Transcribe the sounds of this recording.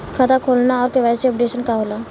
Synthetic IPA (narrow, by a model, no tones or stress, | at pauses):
kʰat̪akʰoːlnaɔːɾkeʋɛːseɔpɖeːʃənkaɦoːla